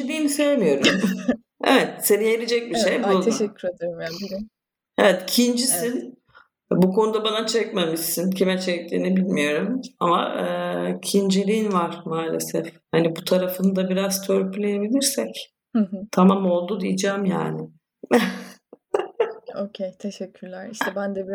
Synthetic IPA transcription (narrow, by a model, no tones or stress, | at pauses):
lʲiːinisejemijo̞ɾum | ḛvɛt̪se̞nijeɾid͡ʒɛc̚biʃejbulˠd̪ɛyed̪ | e̞vɛt̪cʰind͡ʒisin | bukʰo̞nud̪abanat͡ʃʰɛcmamɯʃsɯncʰimɛt͡ʃʰeclʲiinibilʲmijo̞ɾumama̰ɯcʰind͡ʒelʲijinvaɾ̥maːlʲesɛfhanibut̪ʰaɾafɯnɯd̪abiɾaz̥t̪ʰøɾpʰylʲeje̞bilʲiɾsɛc̩ | ɦt̪ʰamamo̞lˠd̪ud̪ijid͡ʒaːmja̰ːnɪ | ocʰejt̪ʰeʃɛcʰːyɾlʲæɾiʃt̪ɛbænd̪ɛbi